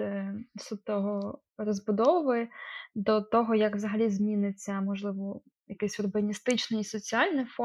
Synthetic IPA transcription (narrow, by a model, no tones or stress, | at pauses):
sut̪ɔɦɔ | rɔzbʊd̪ɔʋʊʋɔd̪ɔt̪ɔɦɔjɐkʋzɐɦɐlʲizmʲinɪt͡sʲːɐmɔʒlˠɪʋɔ | jɐkɛsʲʊrbɐnʲist̪ɪt͡ʃnɪisɔt͡sʲiɑlʲnɪfɔ